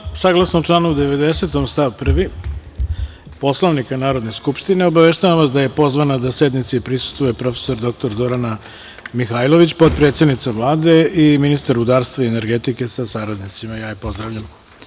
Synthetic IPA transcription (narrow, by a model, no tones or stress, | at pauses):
saɡlˠasnot͡ʂlˠanuud̪e̞ʋe̞d̪ese̞t̪omst̪aʋpr̩ʋi | po̞slˠoʋnikanaːɾo̞d̪ne̞skupʃt̪ineo̞baʋeʃt̪aʋamʋasd̪aje̞po̞zʋanad̪ased̪nit̪sipɾisu̥st̪ʋuje̞pɾo̞fe̥so̞ɾd̪o̞k̚t̪o̞ɾzo̞ɾana | mixajlˠo̞ʋit͡ɕpo̞t̪̚pɾe̞t̪sed̪nit̪saʋlˠaːd̪e̞iminist̪aɾud̪aːɾst̪vʋaiene̞ɾɡet̪ike̞sasaɾad̪nit̪simajaːjipo̞zd̪ɾaʋʎam